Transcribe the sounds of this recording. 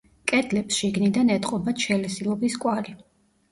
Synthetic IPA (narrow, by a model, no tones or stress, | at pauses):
kʼɛd̪lɛpsʃiɡnid̪anɛt̪ʼqʼɔbaʃʰɛlɛsilˠɔbiskʼwali